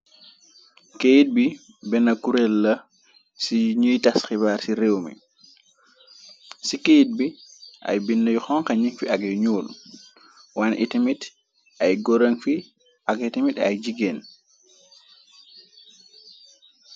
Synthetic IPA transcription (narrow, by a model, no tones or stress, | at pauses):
kejd̚bi | bɛnakuɾɛlːa | siɲijtasxibaɾsiɾɛwmḭ | sikejt̚biʔa̰jbinːajxɔŋkaɲinfiaɡɛjɲoːlu | wanʔitimit | ʔajɡɔɾenfi | ʔaɡitimita̰jd͡ʒiɡɛn